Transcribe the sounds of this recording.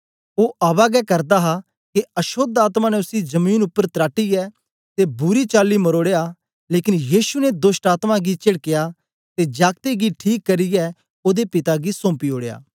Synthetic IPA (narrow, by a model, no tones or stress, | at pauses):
oːʔaːbaɡɛkɐɾd̪aɦa | keɐʃoːd̪aːt̪mãnɛʊsid͡ʒɐmiːnʊpːəɾt̪ɾaːʈiɛː | t̪ebʊɾit͡ʃaːlːimɐɾoːɽeja | leːkɪnjiːʃunɛd̪ʊsʈaːt̪mãɡit͡ʃɪɽkeja | t̪ed͡ʒaːɡ̚t̪eɡiʈʰiːkːɐɾijɛː | oːd̪epɪt̪aɡisõːmpioːɽeja̰ː